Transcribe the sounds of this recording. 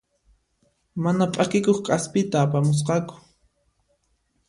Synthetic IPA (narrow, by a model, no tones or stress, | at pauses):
manapʼakɪkoχqʼaspɪt̪aːpamʊs̬qɑkʊ̥